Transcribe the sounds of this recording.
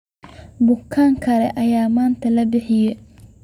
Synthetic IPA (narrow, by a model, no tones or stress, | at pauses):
bʊkʰːaːŋkʰɐlɛʔɐjaːmaːnt̪ʰɐlɐbɪħɪjɛ